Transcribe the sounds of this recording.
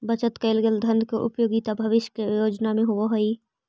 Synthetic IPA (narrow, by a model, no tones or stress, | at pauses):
bɐt͡ʃət̪kɐɪlɡəld̪ʱɐ̃nd̪ʱkoʔʊpjoːɡit̪abʱɐʋɪʃjəkejoːd͡ʒnamẽɦʊʋoɦoi